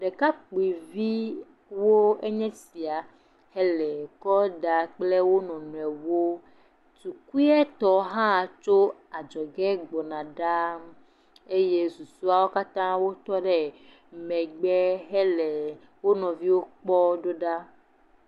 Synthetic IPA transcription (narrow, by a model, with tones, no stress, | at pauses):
ɖɛ˨ka˦k͡pi˨vi˦ | wo˦e˦ɲɛ̃˦si˨a˨ | hɛ˦lɛ˨kɔ˦ɖa˨k͡ple˦wo˦nɔ̃˨nũ˨ɛ˨wo˦ | tu˨ku˦i˦ɛ˦t̪ɔ˦ɦã˦˨t͡ʃo˦a˨d͡ʒɔ˨ɡɛ˦ɡ͡bɔ˨nã˨ɖa˦m | e˦je˦su˨su˦a˦wo˦ka˦t̪ã˦wo˦t̪ɔ˦ɖɛ˦ | mɛ̃˨ɡ͡bɛ˦ɦɛ˦lɛ˨ | wo˦nɔ̃˨vi˦wo˦k͡pɔ˦ɖo˦ɖa˦